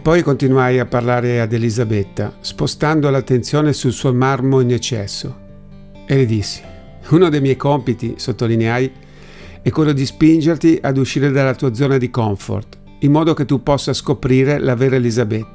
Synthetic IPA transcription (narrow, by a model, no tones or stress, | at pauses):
pɔjkont̪inuajapːarlaːɾead̪elizabet̪ːa̰spost̪and̪olat̪ːent̪sjoːnesulsuːomarmoinɛt͡ʃːɛ̰sːo̰ | eled̪isːi̥ | unod̪ejmjɛjkompit̪ḭsot̪ːolineaj | ɛkːwelːod̪ispind͡ʒert̪iʔad̪uʃːiːɾed̪alːat̪uːad̪zɔːnad̪ikɔɱfo̰rt̪ | imːɔːd̪oket̪ːupːɔsːaskopɾiːɾelaveːɾaelizabɛt̪ːa